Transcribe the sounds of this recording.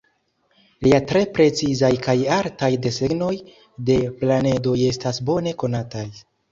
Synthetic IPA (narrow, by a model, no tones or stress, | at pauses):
liatɾe̞pɾe̞t͡sizajkajaɾtajde̞se̞ɡno̞j | de̞plane̞do̞je̞stasbo̞ne̞ko̞nataj